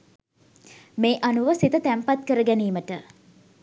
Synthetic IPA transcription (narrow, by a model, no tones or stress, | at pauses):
meːʔanuʋəsit̪ət̪æmpat̪̚kəɾəɡæniːməʈə